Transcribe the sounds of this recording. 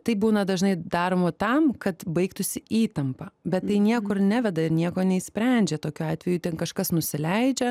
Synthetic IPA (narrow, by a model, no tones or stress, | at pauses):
t̪ɐɪbuːnɐd̪ɐʒnɐɪd̪ɑːɾoːmot̪ɐmkɐt̪bɐɪkt̪ʊsʲɪiːt̪ɐmpɐbʲɛt̪t̪ːɐɪnʲiɛkʊɾnʲæʋʲɛd̪ɐɪɾnʲiɛkoːnʲɛisʲpʲɾʲɛnʲd͡ʒʲɛt̪oːkʲuɑːt̪ʲʋʲɛjuːt̪ʲɛnkɐʃkɐsnʊsʲɪlʲɛɪd͡ʒʲɛ